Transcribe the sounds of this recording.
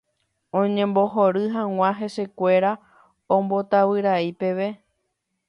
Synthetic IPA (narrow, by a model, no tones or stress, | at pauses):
õɲẽ̞mboɦoɾɨɦãw̃ãɦe̞se̞kʷe̞ɾa | õmbo̞t̪aβɨɾaipe̞ʋe̞